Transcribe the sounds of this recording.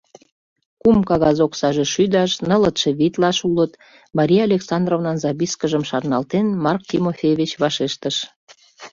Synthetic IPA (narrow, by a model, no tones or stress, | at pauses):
kumkɑɣɑzoksɑʒeʃyd̪ɑʃnələt̪ʃeβit̪lɑʃulət̪ | mɑɾʲijɑɑlʲeksɑnd̪rovnɑnzɑβiskəʒəmʃɑrnɑlt̪enmɑrk̚t̪ʲimofʲejβet͡ɕβɑʃeʃt̪əʃ